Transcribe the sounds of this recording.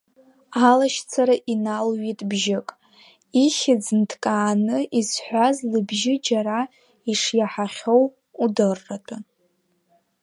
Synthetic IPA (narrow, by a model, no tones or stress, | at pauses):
alaʃt͡sʰaɾaʔinalɥitʼbʒɪkʼ | iχʲɪd͡zntʰkʼaːnɨʔisħʷazlɨbʒɪd͡ʒaɾa | iʂjaħaχʲo̞w | udɨrːatʼa